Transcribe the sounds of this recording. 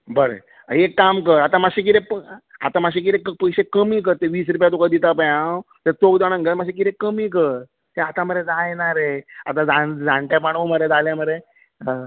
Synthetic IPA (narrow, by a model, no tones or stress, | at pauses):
bəɾḛ | aekːamkəɾat̪amaɕik̬iɾẽpa̰t̪amaɕ̬ik̬iɾẽkpəjɕekəmiːk̬əɾt̪eʋiːs̬ɾup̬jat̪̬ukad̪it̪apəjãt̪əɾt̪okd͡z̪aɽ̃ə̃ŋɡəɾmaɕẽk̬it̪ekəmiːkəɾ | t̪eat̪aməɾed͡zajenaɾea̰t̪̬ãd͡zad͡zãɳʈ̪japaɽ̃oməɾed͡zaljaməɾe